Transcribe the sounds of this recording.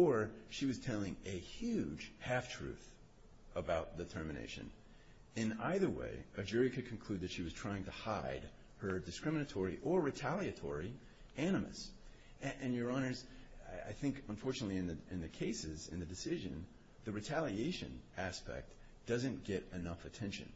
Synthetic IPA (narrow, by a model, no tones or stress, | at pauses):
ə˞ʃiwʌz̥tʰɛlˠɪ̃ŋɨhjʉd̥ʒ̥hæftʰɹ̥ʉ̰θ | əbaʊt̪̚ðɨtʰɜ˞mɨnḛɪʃɨ̰̃n | ɨ̃na̰ɪðə˞wḛɪɨd͡ʒʊɹikʰɨd̚kʰn̩kʰl̥ʉd̪̚ðɨtʃiwʌz̥tʰɹ̥aɪɪ̃ŋtʰɨhaɪd̚ | hə˞dɨskɹɪ̃mɨnɨtʰɔɹiʔə˞ɹɨtʰælˠiɨtʰɔ̰ɹi | æɾ̃ɨmɨ̰s | ʔɨ̃njə˞ɑñə˞za̰ɪθɪ̃ŋkə̃ɱfɔɹt͡ʃɨnətˡliɨ̃nðɨɨ̃nðɨkʰeɪsɪzɨ̰̃nðɨdɨsɪʒɨ̰̃n | ðɨɹɨtʰælˠieɪʃɨ̰̃næspɛ̰k̚t | d̥ʌzɨ̃nɡ̥ɛɾɨnʌfɨtʰɛ̃nʃɨ̰̃n